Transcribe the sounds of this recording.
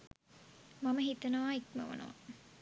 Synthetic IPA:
maməɦit̪ɐnəʋaːikmə̰ʋə̰nə̰ʋa̰

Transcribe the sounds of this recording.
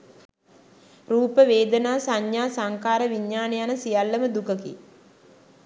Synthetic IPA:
ruːpəʋeːd̪ənaːsaɲjaːsaŋkaːɾəʋiɲːaːnejanəsijalːəməd̪ukəkḭ

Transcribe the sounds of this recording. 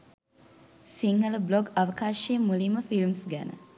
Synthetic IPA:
siŋɡələbloɡɐʋəkaːʃeːmuliməfilmsɡænə̰

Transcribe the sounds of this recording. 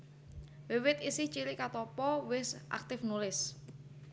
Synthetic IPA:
wɪwɪt̪isɪht͡ʃilɪʔkat̪ɔpɔwɪsʔa̰k̚t̪ɪfnulɪs

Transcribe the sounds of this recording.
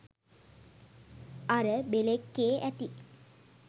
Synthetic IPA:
aɾəbelekːeːʔæt̪i

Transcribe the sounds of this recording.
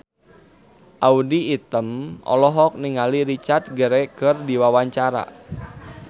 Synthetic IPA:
ʔaudiːt̪əmɔ̰lɔɦɔk̚niŋaliɾit͡ʃart̪̚ɡəɾɛkərdiwawaɲt͡ʃaɾa̰

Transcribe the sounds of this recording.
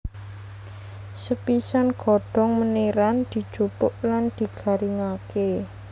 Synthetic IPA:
səpisanɡ̥ɔ̤ɖ̥ɔ̤ŋməneɾand̪̥i̤d̥ʒ̥upʊʔland̪̥i̤ɡ̥a̤ɾiŋake

